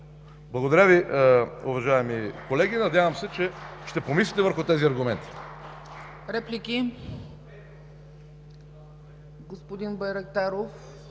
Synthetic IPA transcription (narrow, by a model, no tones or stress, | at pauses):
blˠɐɡod̪ɐɾʲaviʊvɐʒaɛmikolɛɡʲinɐd̪ʲjavɐmsɛt͡ʃɛʃt̪ɛpomislʲit̪ɛvəɾxʊt̪ɛziɐɾɡʊmɛnt̪i̥ | ɾɛplikʲi | ɡospod̪inbɐjɾɐkt̪aɾof